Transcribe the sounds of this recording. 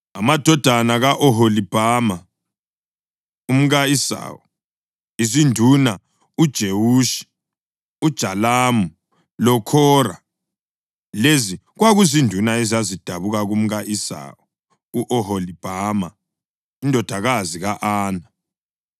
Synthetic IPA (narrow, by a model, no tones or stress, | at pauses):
amad̥ʱɔd̥ʱanaɣaʔɔɦolib̥ʱaːma | um̩ɣaisa̰ːwɔ | izindʱuna | ud̥ʒ̥ʱewuːʃi̥ | ud̥ʒ̥ʱalaːmu | lɔkʰɔːra̰ | leziɣwaɣuzindʱunaɛzazid̥ʱaβuɣaɣum̩ɣaʔisa̰ːwɔ | uʔɔɦolib̥ʱama | indʱɔd̥ʱaɣaziɣaʔaːna